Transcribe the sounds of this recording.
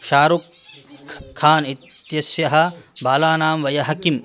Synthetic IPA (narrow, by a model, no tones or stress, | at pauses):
ʃaːɾukʰː | aːnit̪jɐsjɐɦɐ̆baːlaːnaːmʋɐjɐɦɐkim